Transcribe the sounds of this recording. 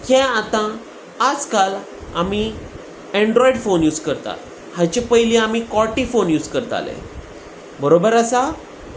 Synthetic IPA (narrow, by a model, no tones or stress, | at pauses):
kɛ̃at̪ã | ad͡zkal | ami | ɛɳɖɾɔiɖfonjuːd͡zkəɾt̪a̰t̪ | hãt͡ɕepəjlĩamikɔʈifonjuːd͡zkəɾt̪a̰lḛ | bəɾobəɾasa